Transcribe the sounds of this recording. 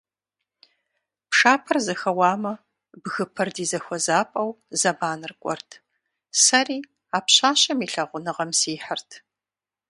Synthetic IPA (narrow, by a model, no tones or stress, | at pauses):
pʰʂaːpʰɐrzɐxɐwɑːmɐ | bɣɨpʰɐrdiːzɐxʷɔzaːpʼɐw | zɐbaːnɨrkʷʼɔ̰rtʰ | sɐriː | aːpɕaːɕʼɐmiːɬɐʁʷʊnɨʁɐmsiːħərtʰ